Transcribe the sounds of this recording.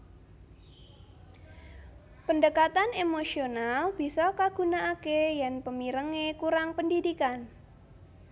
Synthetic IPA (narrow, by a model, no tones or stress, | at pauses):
pəndəkat̪anemosionalb̥i̤sɔkaɡ̥ṳnaʔːkejanpəmiɾəŋekuɾaŋpəndidikan